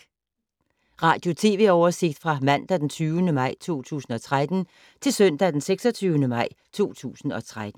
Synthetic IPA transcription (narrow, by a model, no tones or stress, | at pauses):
ʁɑ̈ːd̥jo̝t͡sʰe̝̰ːʋe̝ɒʊɐse̝ɡ̥̚d̥fʁɑ̈mæn̰d̥æd̥ent͡sʰyːʊənəmɑ̈ɪ̰t͡sʰo̝̰ːt͡sʰṵːsn̩ɒ̽t͡sʰʁad̥n̩ | t͡sʰe̝lsœn̰d̥æd̥enseɡ̥sɒt͡sʰyːʊnəmɑ̈ɪ̰ | t͡sʰo̝̰ːt͡sʰṵːsn̩ɒ̽t͡sʰʁad̥n̩